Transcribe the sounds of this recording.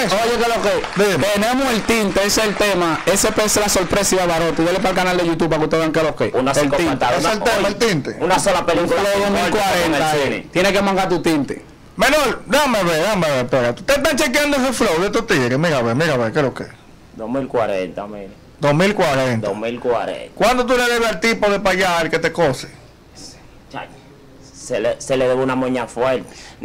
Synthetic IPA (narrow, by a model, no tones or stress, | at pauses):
esojekeloked̪imt̪enẽmoelt̪int̪eeseelt̪emaesepeselasoɾpɾesiðaβaɾot̪ejelep̬alkanald̪eʝut̪upakut̪eβaŋkelokeunselĩaeselemaelt̪int̪eunasolapelikloðosmmilkwaɾẽnaḭt̪jenekemãŋɡaɾt̪̬ut̪int̪e̥̰ | mẽnold̪ameβeðameβeɾpeɾat̪u̥t̪et̪ant͡ʃekjand̪oes̬eflowðet̪ut̪iɾemiɾaβemiɾaβekeloke | d̪omilkwaɾḛnt̪ai | d̪omilkwaɾent̪omilkwaɾḛkwand̪ot̪̬uleðeβealt̪ipoðepajalket̪ekose̥ | t͡ʃa̰ | seleseleðeβunamoɲafweɾt̪e̥